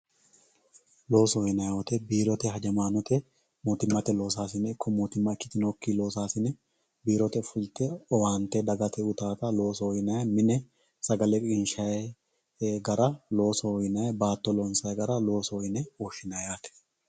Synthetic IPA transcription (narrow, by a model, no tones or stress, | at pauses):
lo̞ːsɔjɪnɐjwɔt̪ɛbiːɾɔt̪ɛhɐd͡ʒɐmaːnɔt̪ɛ | moːt̪ɪmːɐt̪ɛlo̞ːs̬aːsɪnɛɪkːɔmoːt̪ɪmːɐɪkːɪt̪ɪnɔkːilo̞ːsaːsɪnɛ | biːɾɔt̪ɛfʊlt̪ɛɔwaːnt̪ːɛd̪ɐɡɐt̪ʰɛʊt̪aːt̪ɐlo̞ːsɔɔjɪnɐjmɪnɛ | sɐɡɐlɛkʼɪnʃɐjɛ | ɡɐɾɐlo̞ːsɔɔjɪnɐjɐbaːt̪ːɔlɔnsɐjɡɐɾɐlo̞ːsɔɔjɪnɛoːʃɪnɐjaːt̪ɛ̥